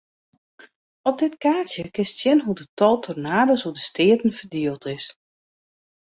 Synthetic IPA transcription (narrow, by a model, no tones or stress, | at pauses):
ɔp̚dɪtkaːsjəkɪstsjɛnɦudətɔlˠtʰɔrnaːdəsudəstɪːətən̩fərdiəlˠtɪs